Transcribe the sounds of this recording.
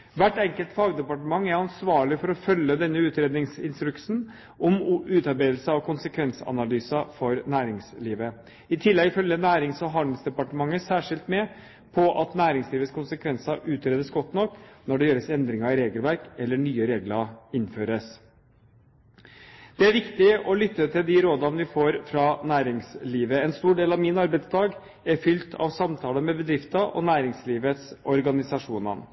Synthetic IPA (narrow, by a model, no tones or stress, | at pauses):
ʋæʈːɛŋkəlt̪fɑːɡd̪ɛpɑʈəmɑŋːæɾɑnsʋɑːɭɪfɔɾɔfœlːəd̪ɛnːəʉːt̪ɾeːd̪nɪŋsɪnst̪ɾʉksn̩ | ʔɔmʉːt̪ɑɾbeːd̪l̩səɑkʰʊnsəkʰʋɛnsəɑ̰nɑlyːsɑfɔɾnæːɾɪŋsliːʋə | ɪt̪ʰɪlːɛɡɪfœljənæːɾɪŋsɔɦɑnəsd̪ɛpɑʈəmɑŋːəsæːʂɪlt̪mɛ | pʰɔʔɑt̪næːɾɪŋsliːʋət̪skʰʊnsəkʰʋɛnsɑʔʉːt̪ɾeːd̪əsɡɔt̪ːnɔkːnɔɖɛjøːɾəsɛnd̪ɾɪŋɑɪɾeːɡəlʋæɾkɛlːəɳyːəɾeːɡlɑɪnføːɾəs | d̪̥ɛæɾʋɪkt̪ɪɔlʏt̪ːət̪ʰɪld̪ɪɾoːd̪ɑnəʋɪfoːɾfɾɑnæːɾɪŋsliːʋəɛnst̪uːɖeːlɑʋmɪnɑɾbæɪt̪sd̪ɑːɡ | æɾfʏlt̪ʰɑ̰ʋsɑmt̪ʰɑːləmɛbəd̪ɾɪft̪ɑʔɔ̰næːɾɪŋsliːʋət̪sɔɾɡɑnɪsɑʂuːnɑ̰n